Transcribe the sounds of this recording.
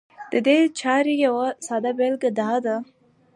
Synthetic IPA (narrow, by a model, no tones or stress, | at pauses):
d̪̥əd̪et͡ʃɑɾijawasɑd̪abelɡad̪ɑd̪a